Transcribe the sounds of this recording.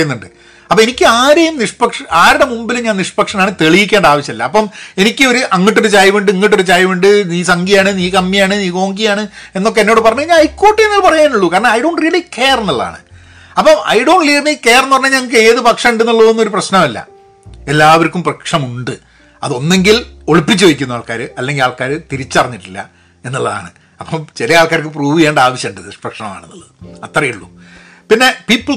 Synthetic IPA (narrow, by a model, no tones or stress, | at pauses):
jnːuɳɖɨ | ɐpːɐenikʲːɨaːɾejumniʂpɐkʂɐaːɾɽe̞mumbilɨɲaːniʂpɐkʂɐnaːɳɨt̪e̞ɭijikʲːeːɳɖaːʋɐt͡ɕːɐilːɐ̰ɐpːɐme̞nikʲːɨo̞ɾuʔɐŋːiʈ̬ːo̞ɾut͡ɕaːjʋiɳɖɨŋːiʈ̬ːo̞ɾut͡ɕaːjʋiɳɖɨniːsɐŋɡijaːɳɨniːkɐmːijaːɳɨniːko̞ːŋɡijaːɳɨe̞nːokːeenːo̞ːɽɨpɐrɐɲːuɲaːnɐjkːoːʈːienːilpɐrɐjaːnuɭːukaːɾɐɳɐɐjɖo̞ːɳɖrijɐɭikʰeːrenːɐɭːa̰ːɳɨ̰ | ɐpːɐmɐ̰jɖo̞ːɳlijɐrnikːe̞ːrenːɨpɐrɐɲːɐɲɐŋːɐk̬ːɨe̞ːðɨpɐkʂɐmiɳɖenːɐɭːɐðonːo̞ɾuprɐɕnɐmɐlːɐ̰ | e̞lːaːʋɐɾikʲːumprɐkʂɐmuɳɖɨ | ɐðo̞nːe̞ŋɡilo̞ɭipːit͡ɕːuʋeikʲːunːaːɭkaːɾɨɐlːe̞ŋɡilaːɭkaːɾɨt̪iɾit͡ɕːɨɐrɐɲːiʈːilːɐ̰ | e̞nːɐɭːɐða̰ːɳɨ̰ | ɐpːɐmt͡ɕilɐaːɭkaːɾik̬ːɨpruːʋijeːɳɖɨaːʋɐɕjɐɳɖɨðsprɐkʂɐɳɐma̰ːɳenːɐ̰ɭːɐðɨɐt̪ːrɐjiuɭːṵ | pinːe̞piːpːɨl